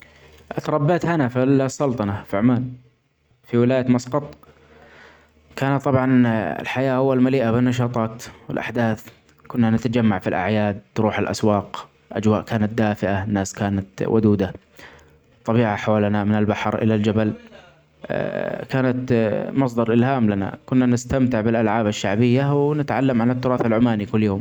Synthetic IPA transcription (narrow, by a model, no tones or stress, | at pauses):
ʔat̪ɾˤɑbːaːt̪hanafisːɑlt̪ˤɑnɑfiʕmaːn | fiwɪlaːjat̪mɑsqɑt̪ˤ | kaːnat̪ˤːɑbʕɑnɪ̰lħajaːhʊwːalmaliːʔabɪnːɑʃ̬ɑːt̪ˤɑːt̪wɪlʔa̰ħd̪aːθ | kʊnːanɪt̪ad͡ʒamːaʕfilʔa̰ʕjaːd̪̚t̪ɾuːħɪlʔa̰swɑːq | ʔa̰d͡ʒwaːʔkʰaːnat̪̚d̪aːfɪʔanːaːskaːnat̪wʔʊ̰d̪uːd̪a | t̪ˤːɑbiːʕaħawaːlanamɪnɪlbaħɾʔɪ̰lald͡ʒabal | kaːnat̪mɑs̬ˤd̪ɑɾˤʔɪlhaːmlana̰kʊnːanɪst̪amt̪ɪʕbɪlʔalʕaːbaʃːaʕbɪjːawnɪt̪ʕalːamʕanɪt̪ːʊɾɑːθalʕʊmaːnikʊlːjoːm